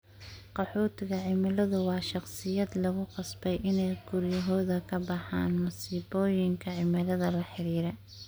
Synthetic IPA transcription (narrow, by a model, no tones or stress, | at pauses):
qɑħɔːt̪ʰɪɣɐʕɪmɪlɐðʊwɑːʃɑqsɪjɐd̪lɐɣʊqɑsbɛjʔɪnɛjɡʊrjɐɦɔːðɐkʰɐbɑħa̰ːnmʊsiːbɔːjɪŋkʰɐʕɪmɪlɐðɐlɐħɪɾiːɾɛ